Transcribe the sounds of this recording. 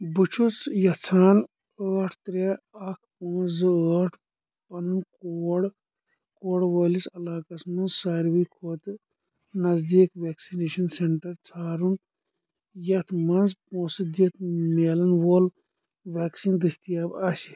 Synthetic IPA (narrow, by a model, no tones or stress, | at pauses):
bɨt͡ʃʰut͡sjɐt͡sʰaːn | əːʈʰt̪ɾe | ɐkʰpõːnzɨəːʈʰ | pɐnɨnkoːɽ | koːɽwɐːlisɐlaːkɐsmɐnzsaːɾwikʰoːt̪ | nɐzd̪iːkʋeːksineːʃɐnseɳʈɐɾt͡sʰaːɾun | jɐt̪ʰmɐnzpõːsɨd̪jɐt̪ʰmeːlɐnwoːl | ʋaːksind̪ɨst̪ijaːbasi